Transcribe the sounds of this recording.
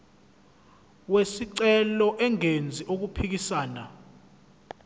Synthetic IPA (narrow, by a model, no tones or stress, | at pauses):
wesiǀɛlɔʔɛŋend͡zʱiʔok̬upʰik̬isaːna